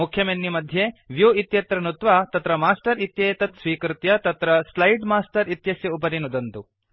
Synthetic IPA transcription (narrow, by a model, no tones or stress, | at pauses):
ukʰːjɐmenːimɐd̪ʱjeʋjuit̪jɐt̪ɾɐnut̪ʋaːt̪ɐt̪ɾɐmaːsʈɐɾit̪jɐjt̪ɐt̪sʋiːkɾut̪jɐt̪ɐt̪ɾɐslɐjɖmaːsʈɐɾit̪jɐsjɐupɐɾinud̪ɐnt̪u